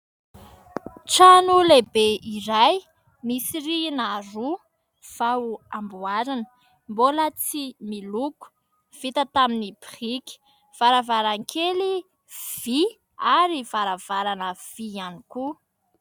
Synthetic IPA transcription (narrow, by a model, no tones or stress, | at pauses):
ʈ͡ʂanulebeiɾaj | misiɾinaru | v̥awuambuaɾanə̥ | mbolət͡similuku̥ | v̥it̪ət̪aminipiχikʲi̥ | v̥aɾavaɾaŋkʰeli | v̥i | aɾivaɾav̥aɾanəv̥ianiku